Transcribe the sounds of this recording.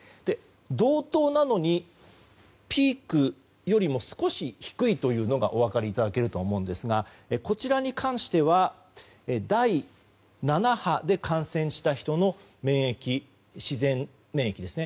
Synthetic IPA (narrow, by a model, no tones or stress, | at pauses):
d̪̥e̞ | d̪o̞ːt̪o̞ːnano̞ɲ̟i | pʲiːkɯ̟ | jo̞ɾʲimo̞sɨ̥ko̞ɕiçi̥kɯ̟it̪o̞jɯ̟ːno̞ɡa̰ʔo̞βakaɾʲiːt̪ad̪ake̞ɾɯ̟t̪oːmõ̞ɯ̟̃nd̪e̞sɨɡa | eko̞t͡ɕiɾaɲ̟ikʰãɰ̃ɕi̥t̪e̞βa | ed̪ai | nanahad̪e̞kʰãɰ̃sẽ̞ɰ̃ɕi̥t̪açi̥t̪o̞no̞ | mẽ̞ːɰekʲi | ɕizẽ̞m | mẽ̞ːekʲid̪e̞sɨne̞